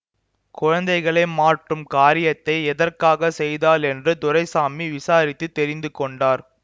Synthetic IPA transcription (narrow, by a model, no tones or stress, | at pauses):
kʊɻɐnd̪ɐɪɣɐɭɐɪmaːʈrɯmkaːɾɪjɐt̪ːɐɪɛðɐrkaːɣɐsɛjðaːlɛndrɯt̪ʊɾɐɪsaːmiʋɪsaːɾɪt̪ːɯt̪ːɛɾɪnd̪ɯkɔɳɖaːɾ